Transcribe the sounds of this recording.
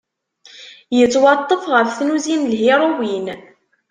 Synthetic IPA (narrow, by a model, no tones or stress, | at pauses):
jət͡sːwɑt̪ˤːəfʁəfθnuzinlɦiɾˤowin